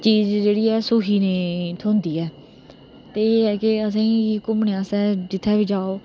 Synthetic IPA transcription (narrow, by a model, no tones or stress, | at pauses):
t͡ʃiːzd͡ʒeːɽiːɛːsuːkʰiːneːt̪ʰõːnd̪iːɛː | t̪eːeːɦɛːkɪəs̬ĩːikʊmɳeãːsɛːd͡ʒɪt̪ʰːɛːbiːd͡ʒaːoː